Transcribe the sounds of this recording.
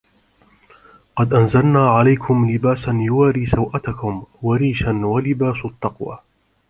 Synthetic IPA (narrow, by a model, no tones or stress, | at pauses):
qɑd̪ʔanzalnaːʕalajkʰʊmlɪbaːsanjʊwaːɾiːsawʔat̪akʊmwaɾiːʃanwalɪbaːsʊt̪ˤːɑqwa̰ː